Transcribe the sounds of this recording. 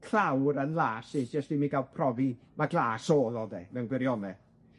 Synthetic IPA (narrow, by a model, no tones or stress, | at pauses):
kʰrawɾənlˠaːsɪd͡ʒɛstimiɡalˠpʰrɔvi | maɡlˠaːsoːðɔdɛ̰mɛwnɡwɪɾjɔnɛ